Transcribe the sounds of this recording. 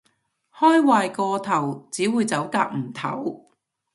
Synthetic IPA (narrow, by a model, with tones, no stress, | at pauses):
hɔː˥jwaː˨jkɔː˧t̪ʰɐ˨˩wt͡siː˨˥wuː˨˧jt͡sɐ˨˥wkaː˧k̚m̩˨˩t̪ʰɐ̰˨˥w